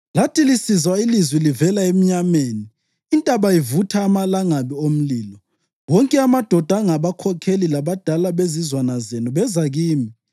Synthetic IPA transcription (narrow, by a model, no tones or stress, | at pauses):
latʰʼilisizwailizwilivɛlaem̩ɲameːniː | ntʼaβaivutʰaːmalaŋaβiom̩liːlɔ | wɔŋkʼɛamad̥ʱɔd̥ʱaŋaβakʰɔkʰelilaβad̥ʱalaβezizwanazenuβɛzaɣiːmi